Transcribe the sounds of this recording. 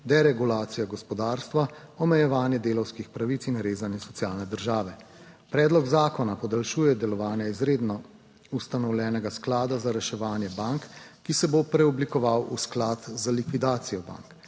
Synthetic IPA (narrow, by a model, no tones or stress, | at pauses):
d̪ɛɾɛɡulaːt̪sijaɡɔspɔd̪aːɾst̪ʋaɔmɛjɛʋaːnjɛd̪eːlɔwskixpɾaʋit̪sinɾeːzanjɛsɔt̪sijaːlnɛd̪əɾʒaːʋɛ | pɾɛːd̪lɔɡzaːkɔnapɔd̪alʃuːjɛd̪ɛlɔʋaːnjaizɾeːd̪nɔ | ust̪anɔwlʲjɛːnɛɡasklaːd̪azaɾɛʃɛʋaːnjɛbaŋkːisɛbopɾɛɔblikɔʋawʔṵsklat̪zalikʋid̪aːt̪sijɔba̰ŋk